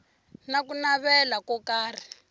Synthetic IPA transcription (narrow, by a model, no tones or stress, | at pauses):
nakunaβɛlakɔkaːri